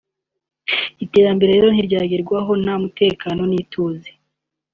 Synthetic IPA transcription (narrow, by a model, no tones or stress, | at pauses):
ite̞ːɾambe̞ɾeɾeːɾo̞n̥hiɾɟaːɡiɾɡwaɦo̞namute̞ːkaːno̞niːtʰuːze